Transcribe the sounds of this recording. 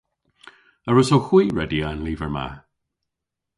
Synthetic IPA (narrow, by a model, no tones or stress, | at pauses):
əɹʊsowxw̥iːɹɛdianliːvəɹma̰